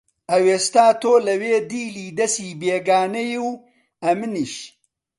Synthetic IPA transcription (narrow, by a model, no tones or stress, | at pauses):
ɐweːst̪aːt̪oːlɐweːd̪iːliːd̪ɐsiːbeːɡaːnɐjiw | ɐmɨniʃ